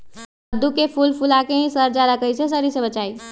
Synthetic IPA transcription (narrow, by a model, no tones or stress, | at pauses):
əd̪ukepʰulpʰulakeɦĩsəɾd͡ʒad̪akəɦises̬əɾisebət͡ʃai